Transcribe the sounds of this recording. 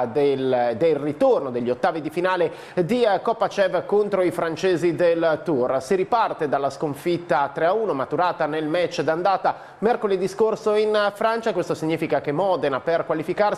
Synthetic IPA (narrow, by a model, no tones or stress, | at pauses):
d̪eld̪elrit̪ornod̪eʎːot̪ːaːvid̪ifinaːle | d̪ikɔpːat͡ʃɛvkont̪ɾoifɾant͡ʃeːzid̪elt̪ursiɾipart̪ed̪alːaskoɱfit̪ːat̪ɾeauːnomat̪uɾaːt̪anelmɛt͡ʃːd̪and̪aːt̪a | mɛrkoled̪iskorsoinfɾant͡ʃakwest̪osiɲːiːfikak̟emɔːd̪enaperkwalifikar